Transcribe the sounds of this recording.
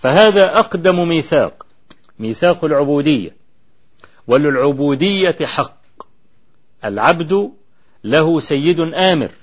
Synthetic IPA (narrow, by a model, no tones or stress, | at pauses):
faɦaːðaːʔɑqd̪ammiːθa̰ːq | miːθaːqalʕʊbuːd̪ɪjːa̰ | walɪlʕʊbuːd̪ɪjːaħɑqː | ʔalʕabd̪ʊ | lahʊsajːɪd̪ʔaːmɪ̰ɾ